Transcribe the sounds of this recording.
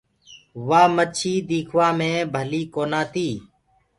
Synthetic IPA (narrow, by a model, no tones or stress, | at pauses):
ʋaːmət͡ʃʰiːd̪iːkʰʋaːmẽːbʱəliːkoːnãːt̪ʰiː